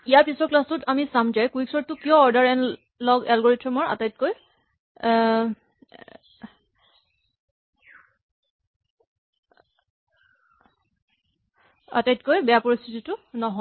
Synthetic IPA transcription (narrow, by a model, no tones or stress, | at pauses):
ijaɹpisɔklastʊtʰamisamd͡ʒajkuiksɔɹtʊkijɔ̃ɔɹdaɹɛn | lɔɡɛlɡɔɹetʰɔmɔɹa̰tajt̚koj | a̰tajtkojbɛjapɔɹist̪ʰititʊnɔɦɔ